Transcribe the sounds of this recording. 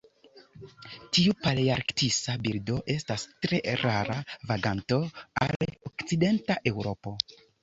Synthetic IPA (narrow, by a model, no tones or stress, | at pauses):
tiupaliaɾktisabiɾdo̞ʔe̞stastɾe̞ɾaɾavaɡanto̞a̰lokt͡side̞ntaʔe̞wɾo̞po̞